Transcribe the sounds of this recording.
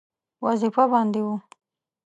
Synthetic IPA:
wazifabɑnd̪ewu

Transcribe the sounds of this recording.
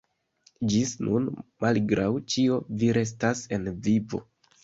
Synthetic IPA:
d͡ʒisnunmalɡɾawt͡ʃio̞viɾe̞s̬tase̞nvivo̞̰

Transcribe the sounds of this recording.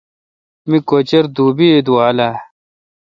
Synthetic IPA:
mikot͡ɕeɾd̪uːbid̪uwaːla

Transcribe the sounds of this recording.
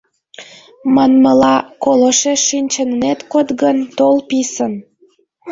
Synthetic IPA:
mɑnməlɑkoləʃeʃinʲt͡ɕənnet̪kot̪ɣənt̪olpisəm

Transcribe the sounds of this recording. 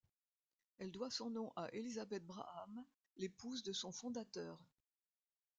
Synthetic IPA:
ɛld̪wasɔ̃nɔ̃ʔaʔelizabɛt̪̚bʁa̰ʔam | lepuzd̪əsɔ̃fɔ̃d̪at̪œːʁ

